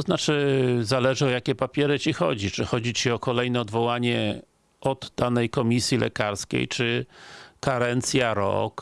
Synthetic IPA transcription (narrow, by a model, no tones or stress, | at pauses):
tt̪ɔznat͡ʂɘzalɛʐɔjakʲɛpapʲjɛɾɘt͡ɕixɔ̰d͡ʑit͡ʂɘxɔd͡ʑit͡ɕiɔkɔlɛjnɛɔd̪vɔwaɲɛ | ɔd̪ːanɛjkɔmʲisʲjilʔɛ̰kaɾskʲḛjt͡ʂɘkaɾɛnt̪sʲjaɾɔ̰k